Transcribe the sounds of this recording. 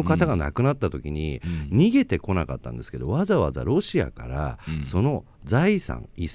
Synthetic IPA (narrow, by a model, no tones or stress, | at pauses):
okat̪aɡana̰kɯ̟nat̪ːat̪o̞kʲiɲ̟iɲ̟iɡe̞t̪e̞ko̞naka̰t̪ːã̰nd̪e̞sɨ̥ke̞d̪o̞βazaβaza̰ɾo̞ɕia̰kaɾa̰so̞no̞ | zaisã̰ŋis